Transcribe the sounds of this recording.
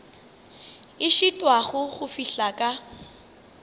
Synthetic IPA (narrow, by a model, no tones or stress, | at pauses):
ɪʃitʼwaɣʊɣʊfiɬakʼa